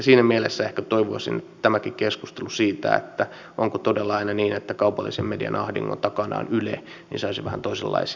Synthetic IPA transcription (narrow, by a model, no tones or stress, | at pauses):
siːnæmielesːæehkæt̪oiʋoɑsḭnet̪ːæt̪æmækikeskust̪elusiːt̪æ̰ḛt̪ːæ | ʔoŋkot̪odelːɑɑinɑniːnet̪ːækɑupɑlːisemmediɑ̰nɑhdḭŋːo̰nt̪ɑkɑnɑ̰ːnylḛ | nḭnsɑisiʋæhæ̰nt̪oisḛlːɑ̰isi